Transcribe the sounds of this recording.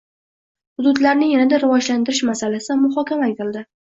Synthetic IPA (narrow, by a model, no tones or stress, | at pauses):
hʊd̪ʊd̪laɾnɪŋjanad̪aɾɪvɒd͡ʒlant̪ɪɾɪʃmasalasɪd̪amʊχɒkʲʰamakʲɪlˠd̪ɪ